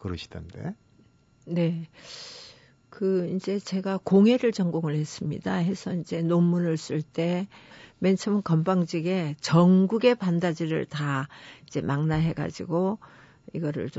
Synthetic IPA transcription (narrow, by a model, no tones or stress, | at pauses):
kɯɾɯɕʰi̥d̥ɯndḛ | ne̞ | kɯind͡ʑe̞t͡ɕe̞ɡakoŋe̞ɾɯɭt͡ɕʌŋɡoŋɯɭhe̞s͈ɯmɲḭdaɦe̞sʰʌind͡ʑe̞nommunɯɭs͈ɯɭt͈e̞ment͡ɕʰɯmnkʌmbaŋd͡ʑiɡe̞t͡ɕʌŋɡuɡe̞pandad͡ʑiɾɯ̰ɭtaid͡ʑe̞̰mʔaŋnaɦe̞ɡa̰d͡ʑḭɡo | iɡʌɾɯ̰ɭt͡ɕo